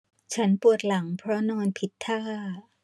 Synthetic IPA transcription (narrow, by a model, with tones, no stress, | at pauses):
t͡ɕʰa˦˥npu˨˩ə˩t̪̚la˩˦ŋpʰɾɔ˦˥nɔː˧npʰi˨˩t̪ʰːaː˥˩